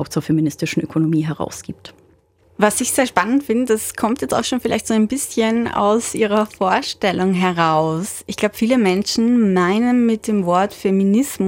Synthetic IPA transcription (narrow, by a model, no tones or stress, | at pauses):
ʊpt͡suɐfeminɪstɪʃn̩ʔøkʰonomiːɦɛʁa̰ʊsɡ̥iːp̚t | vasɪçz̥eːɐʃpanəntfɪndəd̥askʰɔmtjɛt͡sta̰ʊxʃoːnfɪla̰ɪçtz̥oːaɪnbɪsçəna̰ʊsʔiːʁɐfoːɐʃtɛlʊŋɦɛɐʁaʊsʔɪçɡ̥laʊbə̥fiːləmɛnʃn̩maɪnənmɪt̚d̥eːmvɔɐtfeminɪsm